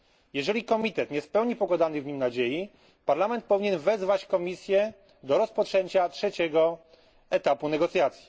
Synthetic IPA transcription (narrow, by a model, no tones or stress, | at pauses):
jɛʐɛlʲikɔmʲit̪ɛt̪ɲɛspɛwɲipɔɡwad̪anɘvɲimnad͡ʑeji | paɾlamɛnt̪̚pɔvʲiɲɛnvɛzvat͡ɕkɔmʲisʲjɛ | d̪ɔɾɔspɔtt͡ʂɛɲt͡ɕatʂɛt͡ɕɛɡɔ | ɛt̪apunɛɡɔt̪sʲjat̪sʲji̥